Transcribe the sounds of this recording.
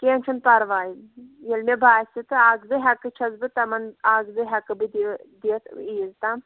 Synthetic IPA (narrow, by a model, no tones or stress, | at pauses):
keːnʲt͡ʃʰunpɐɾʋaːjijelmebaːsʲit̪ɨaːɡzɨɦɐkɨt͡ʃʰɐzbɨt̪ɐmɐnaːɡzɨɦɐkɨbɨd̪id̪eːt̪ʰiːzt̪am